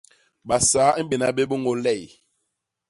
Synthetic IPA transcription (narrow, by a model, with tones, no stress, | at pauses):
ɓa˨saː˨˦m̩˦be˨na˦be˦bu˦ŋɡo˦lɛ˦˨